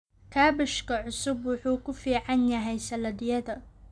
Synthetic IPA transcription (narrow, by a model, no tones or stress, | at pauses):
kʰaːbɪʃkʰɐʕʊsʊbwʊħuːkʰʊfiːʕɑnjɐɦɛjsɐlɐdɪjɐðɐ